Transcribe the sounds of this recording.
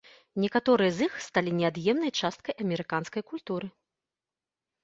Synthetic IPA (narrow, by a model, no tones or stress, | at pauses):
nʲɛkat̪ɔɾɨjɐzixst̪alʲinʲɛad̪jɛmnɐjt͡ʂast̪̚kɐjʔɐmʲɛɾɨkanskɐjkulʲt̪uɾɨ